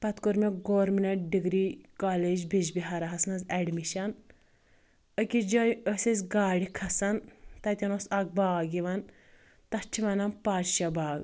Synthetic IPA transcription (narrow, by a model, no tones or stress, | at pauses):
pɐt̪kuɾmeɡoːɾminɐɖiɡɾikaːled͡ʒbid͡ʒbiɦɐɾɐɦɐsnɐzɛɖmiʃɐn | əkid͡ʒɐjəsesʲɡaːɽikʰɐsɐnt̪ɐt̪ʲɐnosɐk̚baːɡiʋɐn | t̪ɐt͡ʃʰiʋɐnɐmpaːd͡ʒʃɐbaːɡ